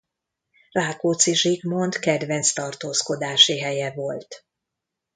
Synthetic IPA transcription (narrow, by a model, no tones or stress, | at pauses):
raːkoːt̪siʒiɡmo̞nt̪kɛd̪vɛnt̪st̪ɒrt̪oːsko̞d̪aːʃiɦɛjɛvo̞lt̪